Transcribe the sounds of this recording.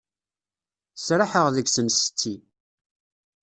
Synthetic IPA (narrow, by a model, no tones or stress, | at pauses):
sɾaħəʁðəɡsəmst̪ːi